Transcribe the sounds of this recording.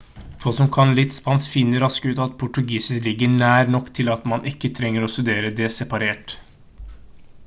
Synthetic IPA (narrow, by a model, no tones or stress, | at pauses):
foːsɔmkʰɑnlɪt̪spɑnsfɪnːəɾɑskəʉːt̪ɑt̪̚pʰʊʈʉɡiːsɪslɪɡəɳæːɾnɔkːt̪ʰɪlɑt̪mɑnʔɪkːət̪ʰɾɛŋːəɾɔst̪ʉd̪eːɾəd̪ɛsɛpɑɾeːʈ